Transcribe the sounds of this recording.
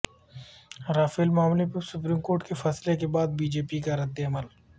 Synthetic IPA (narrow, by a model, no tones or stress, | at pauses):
ɾaːfeːlmaːmlepesʊpɾiːmkoːɾʈkefɐslekebaːd̪̚biːd͡ʒeːpikaɾɐd̪ːeɐməl